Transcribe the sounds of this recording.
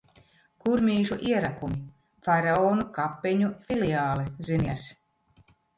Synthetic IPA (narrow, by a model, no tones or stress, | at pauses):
kuɾmʲiːʒuʔiɛɾakumi | faɾaoːnukapːeɲufiliaːliziniɛs